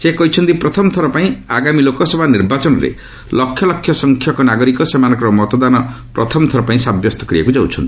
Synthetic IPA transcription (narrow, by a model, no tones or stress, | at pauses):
sekɔɦit͡ʃʰɔnt̪ipɾɔt̪ʰɔmɔt̪ʰɔɾɔpaĩaɡamilokɔsɔbʱaniɾbat͡ʃɔnɔɾḛ | lɔkʰːjɔlɔkʰːjɔsɔŋkʰjɔkɔnaɡɔɾikɔsemanɔ̃ŋkɔɾɔmɔt̪ɔd̪anɔpɾɔ̰t̪ʰɔmɔt̪ʰɔɾɔpãĩsabjɔst̪ɔ̥kɾibakud͡ʒawt͡ʃʰɔnt̪ii̥